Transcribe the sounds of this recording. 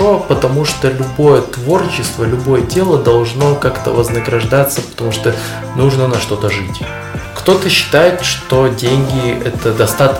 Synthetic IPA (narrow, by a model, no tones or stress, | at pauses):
opət̪ɐmuʂt̪olʲʊbo̞jət̪vo̞rt͡ɕːɪst̪vəlʲʊbo̞jətʲe̞lˠəd̪ɐlˠʐno̞kakt̪ə̰vəznəɡɾɐʐd̪at̪səpə̥t̪ɐmuʂt̪o | nuʐnənɐʂt̪o̞t̪əʐɨtʲ | kt̪o̞t̪əɕːɪ̥t̪ajɪt̪ʂt̪o̞dʲenʲɡʲɪɛt̪əd̪ɐst̪at̪